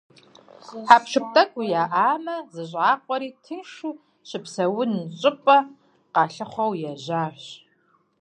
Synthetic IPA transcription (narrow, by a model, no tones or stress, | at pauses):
ħaːpʂɨp̚tʼɐkʷʼujaːʔaːmɐzɨʑʼʕaːqʷʼɔɾiːtʰɨnʃu | ɕɪpsɐwʊnt͡ʃʼɪpʷʼɐ | qɑːɬɨχʷɔwjɛʑaːħɕ